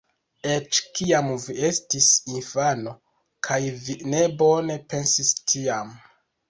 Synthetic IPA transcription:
et͡ʃkiamvie̞stisinfano̞ | kʰajvine̞bo̞ne̞pe̞nsistʰiam

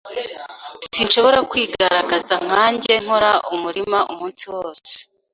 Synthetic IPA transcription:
sinʃo̞βo̞ɾakwiːɡaɾaɡazaŋ̥haːɲɟe̞ŋ̥o̞ɾaʔumuɾimaʔumuːnsiwo̞ːse̥

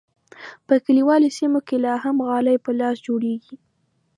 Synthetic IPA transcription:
pəkəliwɑlosimokelɑɦamɣɑlajpəlɑsd͡ʒoɽeɡi

